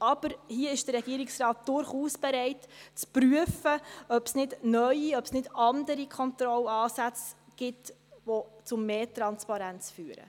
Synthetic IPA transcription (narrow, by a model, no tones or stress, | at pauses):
ʔɑb̥əɾhiəɪʃd̥ərːɛɡ̥iəɾɪksrɑːt̚d̥ʊɾχuːsb̥ɛɾɛɪtt͡spryəfəœpsnɪdnœʏiœpsnɪdɑndəɾikʰχɔntrɔlɑːsæt͡sɡ̥ɪt | ʋot͡sʊmːeːtɾɑnspɑɾænt͡sfyːɾə̰